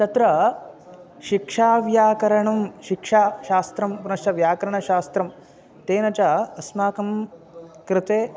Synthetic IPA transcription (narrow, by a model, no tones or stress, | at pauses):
t̪ɐt̪ɾɐ | ʃikʂaːʋjaːkɐɾɐɳɐmʃikʂaːʃaːst̪ɾɐmpunɐʃʈɐʋjaːkɐɾɐɳɐʃaːst̪ɾɐm | t̪eːnɐt͡ʃɐɐsmaːkɐm | kɾɪt̪eː